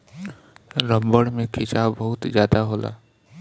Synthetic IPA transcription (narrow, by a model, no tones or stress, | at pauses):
ɾəmbəɽmẽkʰɪt͡ʃabəɦʊt̪zjaːd̪aɦoːla̰ː